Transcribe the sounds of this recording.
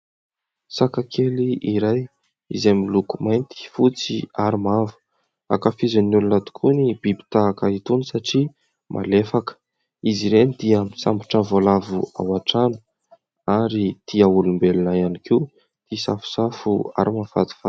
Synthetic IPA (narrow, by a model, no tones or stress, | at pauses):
sakakʰeliiɾaj | izamilukumajnt̪i̥fut͡sḭaɾimavu̥ | a̰kafizanulunat̪u̥kʰunib̥ibi̥t̪aakəit̪unisaʈ͡ʂi | mʔa̰lefakə̥ | iziɾenid̪iəmisambiʈ͡ʂavolavua̰waʈ͡ʂanu̥ | aɾit̪ʰiaulumbelunajanikiu | t̪isafu̥safua̰ɾimafa̰d̪i̥fa